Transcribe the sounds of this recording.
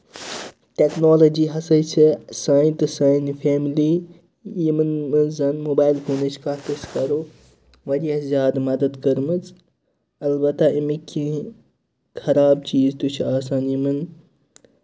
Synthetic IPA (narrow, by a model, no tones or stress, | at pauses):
ʈeknoːlod͡ʒiːɦɐsɐt͡ʃʰesaːjĩnt̪ɨsaːnifʰeːmliː | jimɨnmɨzɐnmoːbaːjilkuːnɐt͡ʃʰkaːt̪ɐskɐɾoː | ʋɐɾijɐzʲjaːd̪mɐd̪ɐd̪kəɾmɨt͡s | ɐlbɐt̪aimikʰːĩ | kʰɐɾaːbt͡ʃiːzt̪ut͡ʃʰaːs̬aːnjimɨn